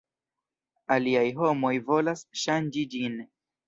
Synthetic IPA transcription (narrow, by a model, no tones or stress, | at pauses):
aliajɦo̞mo̞jvo̞lasʃand͡ʒid͡ʒin